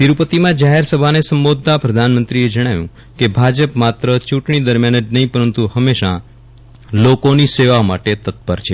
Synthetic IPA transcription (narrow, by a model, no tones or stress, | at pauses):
t̪iɾupət̪imãd͡ʒaɦeɾsəbʱanesəmbod̪̚ʱːapɾəd̪ʱanmənt̪ɾied͡ʒəɽ̃ajũ | kebʱad͡ʒəpmat̪ɾət͡ʃũʈɽ̃id̪əɾmjanəd͡ʒnəɦĩpəɾənt̪uhəmeʃa | lokoniseʋamaʈet̪ət̪̚bəɾt͡ʃʰe